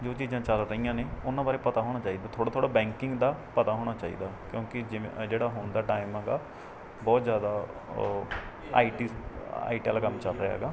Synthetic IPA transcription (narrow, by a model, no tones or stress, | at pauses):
d͡ʒoːt͡ʃiːzãːt͡ʃəlɾəijãːneːʊnãːbaːɾeːpət̪aːɦoːɽ̃aːt͡ʃaːiːd̪aːt̪ʰoːɽaːt̪ʰoːɽaːbɛ̃ːŋkɪ̃ŋɡd̪aːpət̪aːɦoːɽ̃aːt͡ʃaːḭːd̪aːkjõːkɪd͡ʒɪd͡ʒeːɽaːɦʊnd̪aːʈaːɪmɛːɡaː | bɔːt̪zjaːd̪aː | a̰ːʈia̰ːiʈɛlkəmt͡ʃəlɾəɦa̰ːɡaː